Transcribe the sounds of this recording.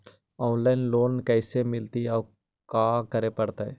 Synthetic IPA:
ɔːnlaːnloːnkɛːsemɪlt̪iɔː | kaːkəɾepəɽt̪aɛː

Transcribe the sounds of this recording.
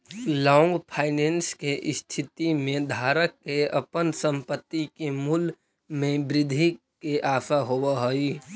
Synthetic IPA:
lɔ̃ːŋɡpʰaːɪneːnskeʔɪst̪ʰɪt̪imẽd̪ʱaːɾəkːeəpənsə̃mpət̪ːikemul | mẽbɾɪd̪ʱi | keʔaːsaɦowəɦoi

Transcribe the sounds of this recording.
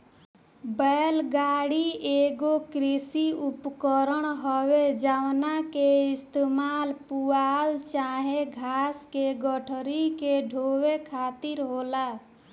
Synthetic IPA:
bəlɡaɽieɡokɾisiupkəɾəɳɦəwed͡ʒawnakeist̪emalpualt͡ʃaɦeɡʱaskeɡəʈʰɾikeɖʱowekʰat̪iɾɦola

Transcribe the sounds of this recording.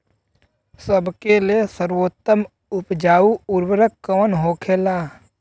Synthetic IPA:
səbkeliesəɾwoːt̪ːəm | ʊpd͡ʒaːuʊɾwəɾəkkːəːnɦoːkʰeːlaː

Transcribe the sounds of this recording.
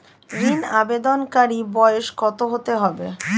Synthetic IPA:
ɾinabed̪onkaɾibɔeʃkɔt̪oɦot̪eɦɔbe

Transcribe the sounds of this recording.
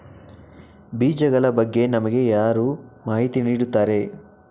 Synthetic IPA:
biːd͡ʒɐɡɐɭɐbɐɡːe̞nɐmɐɡe̞jaːɾuːmaːɦit̪iniːɽut̪ːaːɾe̞

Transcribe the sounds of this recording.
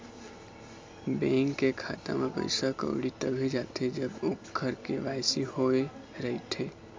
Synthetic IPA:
bẽŋkːekʰaːt̪a̰mepə̰ɪsakə̰ʊɽit̪əbʱed͡ʒat̪ed͡ʒəbokɡʱəɾkeʋaːjsihoeɾəit̪ʰe

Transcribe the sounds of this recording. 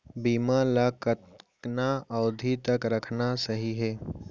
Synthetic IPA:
biːmãlakət̪knaɐʊd̪ʱit̪ɐkɾɐkʰnasəɦiɦeː

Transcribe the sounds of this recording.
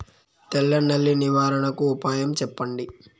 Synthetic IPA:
t̪ɛlːɐnːɐlːiniʋaːɾɐɳɐkuːpaːjɐmt͡ʃɛpːɐɳɖi

